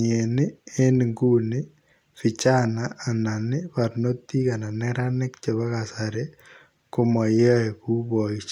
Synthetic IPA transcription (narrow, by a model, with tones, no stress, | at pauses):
ɲe˨ne˦e˦ni˨ŋɡu˦ne˦ | fi˨t͡ʃa˦naː˨na˨nɪpa˨ɾno˦t̪ːi˦ka˨na˨nɛɾane˦kt͡ʃe˨βa˦ɣasa˨ɾe | ko˦ma˨ja˦e˨ku˦βɔ˨it͡ʃ